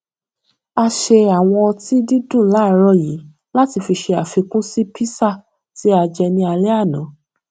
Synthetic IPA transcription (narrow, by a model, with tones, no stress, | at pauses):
a˧ʃe˧a˨w̃ɔ̃˧ɔ˧ti˦di˦dũ˦˨la˨˦˨ɾɔ˧ji˨˦ | la˦ti˧fi˧ʃe˧a˨fi˧kũ˦si˦pʰi˦sa˦˨ | ti˨˦a˧d͡ʒɛ˧nĩ˧a˧lɛ˦a˦˨nã˨˦